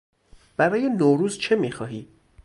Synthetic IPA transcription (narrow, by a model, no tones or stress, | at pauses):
b̥æɾɒːjenoːɾuːzt͡ʃʰe̞miːxɒːɦiː